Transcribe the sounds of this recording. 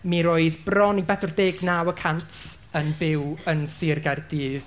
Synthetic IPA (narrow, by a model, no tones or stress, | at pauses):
miɾoːɨðbrɔnibɛθʊrdeːɡnawəkʰantʰ | ənbɪwənsɪrɡardiːð